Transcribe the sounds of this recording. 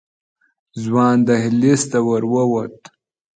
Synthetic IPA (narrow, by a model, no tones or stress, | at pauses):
zwɑːnd̪ahilist̪awəɾwəwat̪